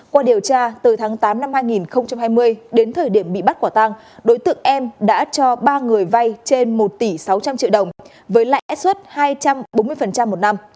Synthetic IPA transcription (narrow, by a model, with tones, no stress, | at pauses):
kwaː˧ɗi˨˩əwt͡ɕaː˧t̪ɨ˨˩t̪ʰaː˨˦ŋt̪aː˨˦mna˧mhaː˧jŋi˨˩nxə˧wŋ͡mt͡ɕa˧mhaː˧jmɨ˧əjɗe˨˦nt̪ʰəː˨˩ɗi˧˩əmɓḭ˧˨ɓa˦˥t̚kwaː˧˩t̪a˧ŋ | ɗo˨˦jt̪ɨ̰˧˨əŋʔɛ˧mɗa̰ː˧˥t͡ɕɔ˧ɓaː˧ŋɨ˨˩əjva˧jt͡ɕe˧nmo˨˩t̚t̪i˧˩sa˨˦wt͡ɕa˧mt͡ɕḭ˧˨əwɗə˨˩wŋ͡m | vəː˨˦jla̰ː˧˨ʔɛ˦˥t̚swə˦˥t̚haː˧jt͡ɕa˧mɓo˨˦nm˧əjfə˨˩nt͡ɕa˧mːo˨˩t̚na˧m